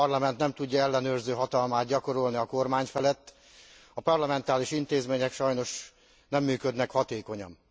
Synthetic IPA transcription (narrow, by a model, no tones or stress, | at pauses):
rlɒmɛnt̪nɛmt̪uɟːɒɛlːɛnøːrzøːɦɒt̪ɒlmaːd̪̚ɟɒko̞ɾo̞lniɒko̞rmaːɲfɛlɛt̪ː | ɒpɒrlɒmɛnt̪aːliʃint̪eːzmeːɲɛkʃɒjno̞ʃ | nɛmːyːkød̪nɛkhɒt̪eːko̞ɲɒ̰m